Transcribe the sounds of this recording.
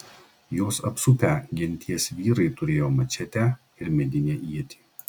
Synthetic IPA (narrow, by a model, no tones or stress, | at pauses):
joːsɐpsʊpʲæːɡʲɪnʲt̪ʲiɛsʋʲiːɾɐɪt̪ʊɾʲeːjoːmɐt͡ʃʲɛt̪ʲæː | ɪɾmʲɛd̪ʲɪnʲeːʔiɛt̪ʲʰi̥ː